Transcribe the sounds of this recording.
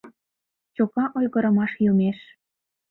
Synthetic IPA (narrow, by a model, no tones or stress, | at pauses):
t͡ɕokɑʔojɣə̆ɾə̆mɑʃjumeʃ